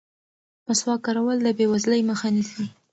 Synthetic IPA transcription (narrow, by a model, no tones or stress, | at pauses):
paswɑkɑɾawəld̪əbewazləjməxanisi